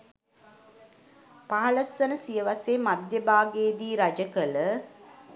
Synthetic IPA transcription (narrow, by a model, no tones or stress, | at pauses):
paɦɐləsənəsijəʋaseːmad̪jəbaːɡeːd̪iːɾad͡ʒəkələ